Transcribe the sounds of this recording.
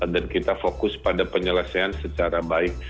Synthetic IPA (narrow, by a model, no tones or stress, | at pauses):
dankit̪afokʊspadapəɲələsaansət͡ʃaɾabaɪk̚